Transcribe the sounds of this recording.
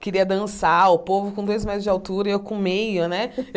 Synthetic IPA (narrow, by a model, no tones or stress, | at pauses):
kɪɾiɐd̪ɐ̃saʊpovʊkõd̪ojzmezʊzd͡ʒɪawt̪uɾɐewkõmejʊnɛe